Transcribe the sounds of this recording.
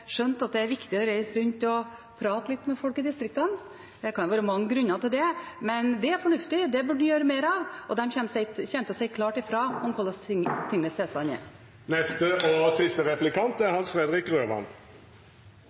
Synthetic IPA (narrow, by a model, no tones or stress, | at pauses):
ʂœnt̪ɑt̪̚d̪ɛæɾʋɪkt̪ɪɔɾæɪsɾʉnt̪ɔpʰɾɑːt̪əlɪt̪ːmɛfɔlkɪd̪ɪst̪ɾɪk̚t̪ɑn | d̪ɛkʰɑnjʊʋɑːɾəmɑŋːəɡɾʉnːɑt̪ɪld̪ɛmɛnd̪ɛæɾfɔɳʉft̪ɪd̪ɛbʉɖ̪ːjøːɾəmeːɾɑʋʔɔd̪ɛmçɛnsɛɪçɛnt̪əɔsɛɪkʰlɑːʈɪfɾɑɔnkʰɔlːəst̪ʰɪŋənəst̪ɛːsɑnɛ̰ | nɛst̪əɔsɪst̪əʁɛplɪkʰɑnt̪æɾhɑnsfʁɛd̪ʁɪkʁøːmɑ̰n